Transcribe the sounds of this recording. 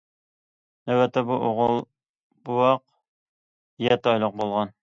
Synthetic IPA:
næwɛt̪ʰːɛbuʔoʁəlˠ | buwɑq | jɛt̪ɑjlˠoq̚bolˠʁɑn

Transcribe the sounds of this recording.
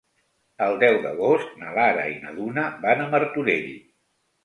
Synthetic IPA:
əlˠd̪ɛwd̪əɣ̞ost̪nəlaɾə̰inəðunəbanəməɾt̪uɾeɾḭ

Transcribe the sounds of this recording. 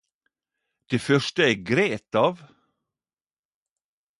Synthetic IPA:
d̪̥eːfœʂʈəæɡɾeːt̪ɑːʋ

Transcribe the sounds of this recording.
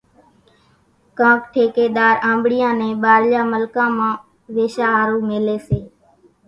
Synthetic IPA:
kãːkʈʰeːkeːɗ̪aːɾãːmbɽɪjãːnẽːɓaːɾlaːməlkãːmãː | ʋeːʃaːɦaːɾuːmeːleːseː

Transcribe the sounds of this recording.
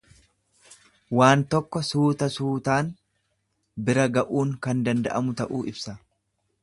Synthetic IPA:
waːnt̪ɔkːɔsuːt̪ɐsuːt̪aːn | bɪɾɐɡɐʔuːŋkɐnd̪ɐnd̪ɐ̰ʔɐmʊt̪ɐʔuːʔɪbsɐ

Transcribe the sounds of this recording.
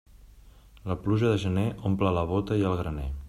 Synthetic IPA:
ləpluʒəðəʒəneʔomplələβ̞ot̪əiəlˠɣɾəne

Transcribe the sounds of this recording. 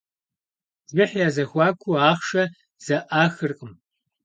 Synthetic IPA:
zɪħjaːzɐxʷɑːkʷʰuaːχʂɐ | z̥ɐʔaːxɨrqʼəm

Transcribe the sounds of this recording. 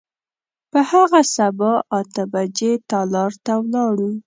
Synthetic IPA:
pəhaɣasabɑʔɑt̪əbad͡ʒet̪ɑlɑɾt̪awlɑɽu

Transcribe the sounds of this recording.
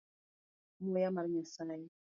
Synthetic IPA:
mujamaɾɲasaːj

